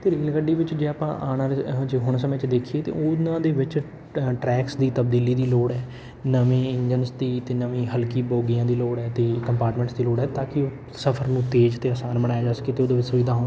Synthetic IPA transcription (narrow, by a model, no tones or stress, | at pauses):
t̪eːɾeːlkəɖiːʋɪt͡ʃd͡ʒeːaːpã̰ːʔaːnãːɾed͡ʒeːɦʊɳsəmẽːt͡ʃd̪eːkʰieːt̪ḛːʊnãːd̪eːʋɪt͡ʃ | ʈɾɛːksd̪iːt̪əbd̪iːliːd̪iːloːɽɛː | nəʋẽːɪɲd͡ʒənsd̪iːt̪eːnəʋĩːɦəlkiːboːɡijãːd̪iːloːɽɛːt̪eːkəmpaːɾʈmẽːɳʈsd̪iːloːɽɛːt̪ãːkɪoː | səpʰəɾnũːt̪eːd͡ʒt̪eːaːsaːnbəɽaːjaːd͡ʒaːsə̥keːt̪eːoːd̪eːʋɪt͡ʃsʊʋiːd̪ʱaːɦoːn